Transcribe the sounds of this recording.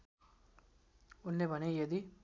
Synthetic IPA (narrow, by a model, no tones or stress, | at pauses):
unlebʱʌnejʌd̪i